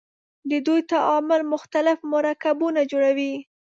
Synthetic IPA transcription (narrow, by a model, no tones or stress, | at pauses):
d̪əd̪ujt̪aʔɑmʊlmʊxt̪alɪfmʊɾakabunad͡ʒoɽawi